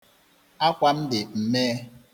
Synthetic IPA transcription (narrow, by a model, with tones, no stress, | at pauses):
a˦kʷa˦m̩˦dɪ˨m̩˨meː˦